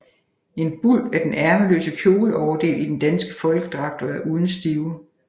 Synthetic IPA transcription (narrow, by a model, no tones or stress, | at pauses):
e̝nb̥ul̰æɐd̥enʔæɐməlø̰ːsəkʰjo̝ːləɒʊɐd̥e̝̰ːlid̥end̥ænsɡ̥əfɒ̽lɡ̥əd̥ʁɑ̈ɡ̥̚d̥ʰɐæɐʔuð̞ˠn̩sd̥iːʊ